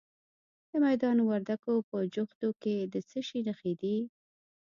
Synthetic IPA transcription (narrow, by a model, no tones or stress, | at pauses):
d̪əmajd̪ɑnwaɾd̪akopəd͡ʒʊxt̪oked̪ət͡səʃinaxed̪i